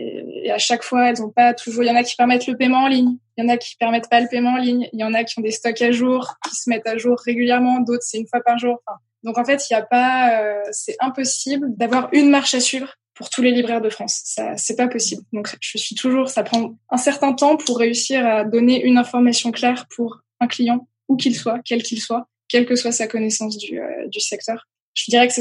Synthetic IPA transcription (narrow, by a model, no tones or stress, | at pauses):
ḛḛaʃakfwaɛlzɔ̃pat̪ʰuʒuʁjɑ̃nakʲi̥pɛʁmɛt̪ləpemɑ̃ːliɲjɑ̃nakʲi̥pɛʁmɛt̪paləpemɑ̃ːliɲjɑ̃nakʲiɔ̃d̪est̪ɔkaʒuʁkʲi̥səmɛt̪aʒuʁːeɡʲyljɛʁmɑ̃d̪ot̪χsɛynfwapaʁʒuʁɑ̃fɛ̃ | d̪ɔ̃kɑ̃fɛt̪iljapaøsɛʔɛ̃pɔsibld̪avwaʁynmaʁʃasɥivʁ | puʁt̪ʰulelibʁɛʁd̪əfχɑ̃sːa̰sɛpapɔsibld̪ɔ̃kʒ̥əsɥit̪ʰuʒuʁsapχɑ̃ʔɛ̃sɛʁt̪ɛ̃t̪ɑ̃pʰuʁːeysiʁad̪ɔneʔynɛ̃fɔʁmasjɔ̃klɛʁpʰuʁ | ɛ̃klijɑ̃ | ukʲilswakʲɛlkʲilswa | kʲɛlkəswasakɔnɛsɑ̃s̬d̪yø̰d̪ysɛk̚t̪œʁ | ʒ̥əd̪iʁɛkə̥sɛ